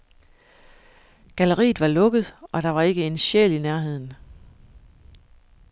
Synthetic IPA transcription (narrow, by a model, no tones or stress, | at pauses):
ɡ̥æləʁḭːð̩ˠʋɑ̈lɔ̽ɡ̥əð̞̩ˠʔɒ̽ɾ̥ɑ̈ʋɑ̈e̝ɡ̥əe̝nɕḛlinæɐɦe̝ð̰ˠn̩